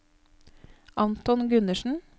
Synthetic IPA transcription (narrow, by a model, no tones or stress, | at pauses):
ʔɑnt̪ɔnɡʉnəʃn̩